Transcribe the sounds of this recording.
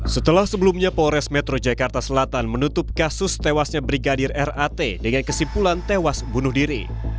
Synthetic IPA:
sət̪əlahsəbəlumɲapoɾɛsmɛt̪ɾod͡ʒakart̪asəlat̪anmənut̪ʊp̚kasʊst̪ewasɲabɾiɡadɪrɛrat̪edəŋankəsipulant̪ewasbunʊhdiɾḭ

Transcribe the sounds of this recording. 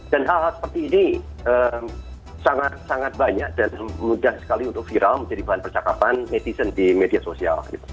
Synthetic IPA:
d̥anɦalɦalsə̥pərt̪iːniəːm | saŋat̪̚saŋat̪̚baɲak̚d̥anmudahsə̥kaliunt̪ʊk̚fiɾʔalməɲd͡ʒadibaɦanpərt͡ʃaka̰panmet̪isəndimediasosia̰lɡḭt̪u̥

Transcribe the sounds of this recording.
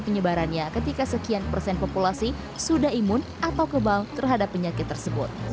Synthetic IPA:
pəɲəbaɾanɲakət̪ikasəkianpərsɛnpopulasi | sudahimʊnʔat̪awkəbalt̪ərɦadapːəɲakɪt̪ːərsəbʊt̪̚

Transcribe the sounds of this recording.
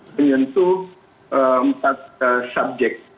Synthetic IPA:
əɲənt̪u | əəmpat̪̚sab̚d͡ʒɛk̚

